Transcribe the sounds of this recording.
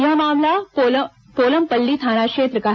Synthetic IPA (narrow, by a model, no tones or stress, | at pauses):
jɐɦmaːmlapo | poːləmpəlːit̪ʰaːnakʃeːt̪ɾəkaɦ